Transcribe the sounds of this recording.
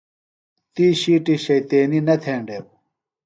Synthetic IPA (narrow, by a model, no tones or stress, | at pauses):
t̪iːɕiːʈiɕɐjt̪eːninɐt̪ʰeːɳɖeːw